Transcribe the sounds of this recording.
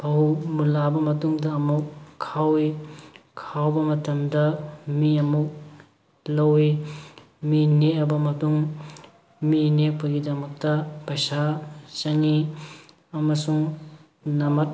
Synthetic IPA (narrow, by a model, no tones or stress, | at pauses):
pʰɐɦumulabɐmɐtuŋdɐɐmukkʰːawi | kʰawbɐmɐtɐmdɐmiɐmuk̚ | lɐwi | mineɐbɐmɐtuŋ | minek̚pujɡidɐmɐk̚tɐpɐjsasɐŋi | ɐmɐsuŋ | nɐmɐt̚